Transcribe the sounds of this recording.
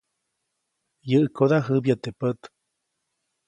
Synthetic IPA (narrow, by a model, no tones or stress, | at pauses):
jəʔkʰod̪aɦəbjat̪epət̪